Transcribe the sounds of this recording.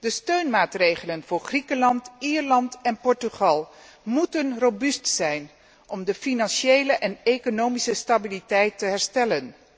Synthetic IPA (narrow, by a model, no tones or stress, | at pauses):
dəstøɥnmaːtrejχələnv̥ʊːɹχrikəlɑntiːɹlɑntɛnpɔɹtyχɑlˠ | mutənrobystsɛjn | ʔɔmdəfinɑnʃejləʔɛnekonowmisəstabilitɛjtəɦɛɹstɛlən